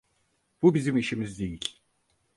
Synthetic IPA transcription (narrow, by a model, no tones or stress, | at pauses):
b̥ubizimiʃimizd̪ejilʲ